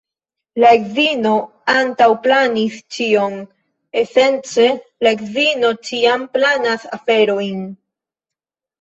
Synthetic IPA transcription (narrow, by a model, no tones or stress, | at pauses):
laekzino̞ | antawplanist͡ʃio̞n | e̞se̞nt͡se̞laekzino̞t͡ʃiamplanasafe̞ɾo̞jn